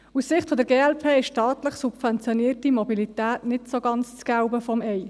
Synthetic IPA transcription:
ussɪχtfɔdəɾɡeːɛlpʰeːɪʃʃtɑːtləχsubfɛnt͡sjɔniːəɾtimɔbilitæːtnɪtsoɡɑnt͡st͡sɡ̥aʊbəfɔmɛj

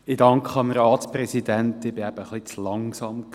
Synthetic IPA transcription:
ɪdɑŋkχəɑmrɑːtsprɛsidænt̪ɪb̥ɪæb̥əχlit͡slɑŋsɑmk

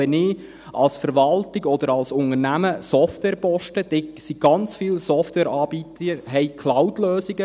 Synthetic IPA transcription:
ɛnɪː | ɑlsfəɾʋɑltɪɡɔd̥̪əɾɑlsʊnəɾnæməsɔftwɛːɾpɔʃtəd̥̪ɛsiɡ̥ɑnt͡sfiːlsɔftwɛːɾɑːbit̪əəɦɛɪkʰlaʊtløːsiɡə

